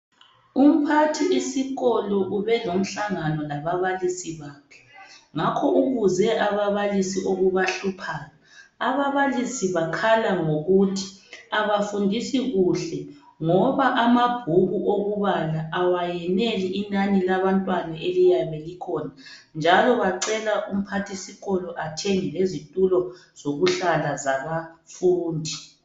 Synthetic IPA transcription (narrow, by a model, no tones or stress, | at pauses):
um̩pʰatʰiisiɣɔlɔʔuβɛlom̩ɬaŋanɔlaβaβalisiβaːkʰɛ̥ŋakʰɔʔuɣuzɛʔaβaβalisiʔoɣuβaɬupʰaːɣaaβaβalisiβakʰalaŋoɣutʰi̥aβafundʱisiɣuɬɛ | ŋɔβaʔamab̥ʱuɣuʔoɣuβalaʔawajɛneliʔinanilaβantʼwanaelijaβelikʰɔna | nd͡ʒʱalɔɣaǀɛlaʔum̩pʰatʰisiɣɔlɔʔatʰeŋilezitʼulɔz̥oɣuɬalazaβafuːndʱi